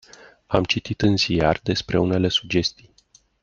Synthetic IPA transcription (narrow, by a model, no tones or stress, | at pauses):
a̰mt͡ʃit̪it̪ɨnzijard̪e̞spɾe̞une̞le̞sud͡ʒe̞st̪ij